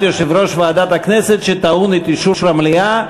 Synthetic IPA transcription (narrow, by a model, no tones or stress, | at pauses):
t̪joʃivɾoʃvaad̪at̪aknɛset̪ʃet̪aunit̪iʃuʃɾamlija